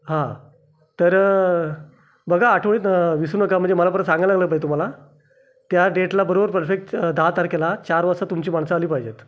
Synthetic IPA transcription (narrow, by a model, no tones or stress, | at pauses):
ɦã | t̪əɾ | bəɡʱaːʈʰʋɭiːt̪ʋisuːnəkam̤əɳd͡zeməlap̬əɾəsãŋɡəlaɡləpaet̪um̤ala | t̪jaɖeʈlabəɾobəɾpəɾfek̚ʈd̪aɦat̪aɾkelat͡ɕaɾʋəsat̪umt͡ɕiːmaɳsaːliːpajd͡ʑet̪